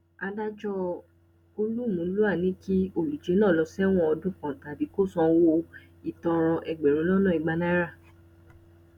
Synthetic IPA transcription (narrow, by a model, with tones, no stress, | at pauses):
a˧da˦d͡ʒɔ˦ | o˧lu˦˨mũ˨˦lu˦a˦˨nĩ˨˦ki˦o˦˨lu˨d͡ʒe˨˦nãː˦˨lɔ˧sɛ˦w̃ɔ̃˦ɔ˧dũ˦˨kã˨ta˨bi˨˦ko˦˨sɔ̃˧wo˧ | i˨tɔ̃˧ɾ̃ɔ̃˧ʔɛ˨ɡ͡be˨ɾ̃ũ˨˦lɔ˦nɔ̃˦˨i˨˧ɡ͡ba˧na˦ɾa˦˨